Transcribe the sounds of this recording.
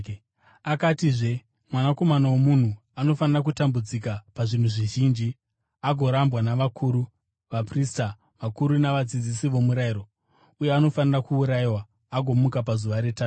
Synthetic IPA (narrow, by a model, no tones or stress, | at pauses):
akatiʐe̞ | mwanako̞manawomun̤u | ano̞fanirak̬utambud͡zikapaʐin̤uʐiʒiːnd͡ʒi | aɡʱo̞ɾambwanaʋakʰuːɾu | ʋaprista | ʋakuɾunaʋad͡zid͡zisiʋo̞muɾaiɾo̞ | uje̞ano̞fanirakuːɾaiwaː | ɡʱo̞mukapazuʋaɾe̞taːu